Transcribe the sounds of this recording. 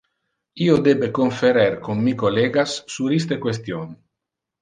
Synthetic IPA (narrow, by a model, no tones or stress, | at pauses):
iod̪ebekoɱfeɾeɾkonːikoleːɡasːuɾist̪ekwes̬t̪jon